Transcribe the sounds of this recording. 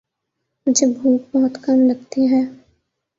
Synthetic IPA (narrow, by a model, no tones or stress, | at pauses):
mʊd͡ʒʱebʱuːk̚bɔɦʊt̪kɐmɾɐɡ̚t̪iɦɛː